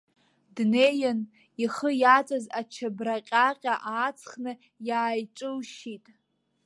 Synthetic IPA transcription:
dne̞jan | iχəjat͡sʼazat͡ʃʰabraqʲʼaqʲʼaʔaːt͡sʰχnɨ | jaːjʈ͡ʂʼɨwʃitʼ

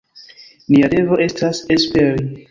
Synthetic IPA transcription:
niade̞vo̞ʔe̞stasespeɾi

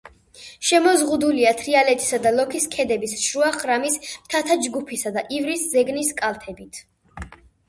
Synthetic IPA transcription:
ʃɛmɔzʁud̪uliat̪ʰɾialɛt̪ʰʼi̥sad̪alˠɔkʰiskʰɛd̪ɛbisʃɾuaχɾamismt̪ʰat̪ʰad͡ʒɡupʰisad̪aʔivɾiszɛɡniskʼalˠt̪ʰɛbit̪ʰ

